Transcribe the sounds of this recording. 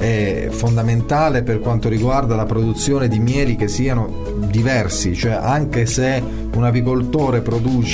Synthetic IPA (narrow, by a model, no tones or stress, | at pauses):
ɛ | fond̪ament̪aːleperkwant̪oɾiɡward̪alapɾod̪ut̪sːjoːned̪imjɛːlik̟esːiːano | d̪ivɛrsit͡ʃoɛʔaŋkese | unap̬ikolt̪oːɾepɾod̪uːt͡ʃ